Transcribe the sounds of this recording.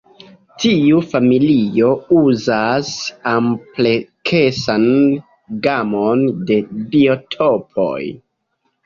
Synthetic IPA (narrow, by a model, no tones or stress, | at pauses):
tiufamilio̞uzasamplekʰe̞san | ɡamonde̞bio̞tʰopʰo̰j